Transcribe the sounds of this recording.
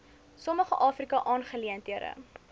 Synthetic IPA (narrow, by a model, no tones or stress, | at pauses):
sɔməχəʔɑːfrikɑʔɑːnχəliəntiəɾə̰